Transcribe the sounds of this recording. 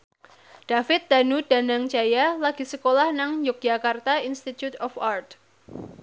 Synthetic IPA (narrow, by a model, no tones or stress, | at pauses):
d̥afɪt̪̚d̪̥anud̥a̤naŋt͡ʃajalaɡ̥i̤səkolahnaŋjʊk̚d͡ʒakart̪ainst̪it̪jut̪ɔfart̪